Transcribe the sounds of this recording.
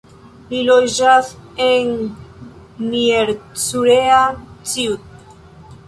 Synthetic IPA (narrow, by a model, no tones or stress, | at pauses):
lilojʒaθeŋ | nieɾt͡suɾeat͡siut̪̚